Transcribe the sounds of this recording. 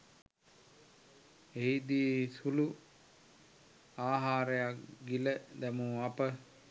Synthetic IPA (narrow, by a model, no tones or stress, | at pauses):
eid̪iːsulu | aːɦaːɾəjakɡiləd̪ɛmuːapə